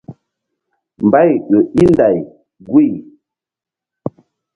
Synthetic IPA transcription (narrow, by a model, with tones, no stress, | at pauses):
m̩˨ba˦jɣə˨i˦n˦da˨j | ɡwi˦˨